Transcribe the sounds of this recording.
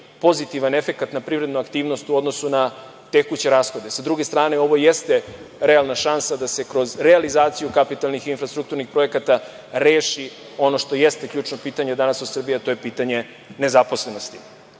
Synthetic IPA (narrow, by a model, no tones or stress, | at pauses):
po̞zit̪iʋanefe̞kat̪napɾiʋɾe̞d̪nuakt̪iːʋno̞st̪uo̞d̪no̞suna | t̪e̞kut͡ɕe̞ɾaːsxo̞d̪e̞sad̪ɾuɡe̞st̪ɾaːne̞o̞ʋo̞jest̪e̞ɾe̞alˠnaʃansad̪ase̞kɾo̞zɾealizaːt̪sijukapit̪alˠnixinfɾast̪ɾuk̚t̪uɾnixpɾo̞e̞kat̪a | ɾeːʃi | o̞no̞ʃt̪o̞jest̪ekʎuːt͡ʂnopiːt̪aɲed̪anasod̪̥sr̩bijeat̪o̞jepiːt̪aɲe̞ | ne̞zapo̞sle̞no̞st̪i̥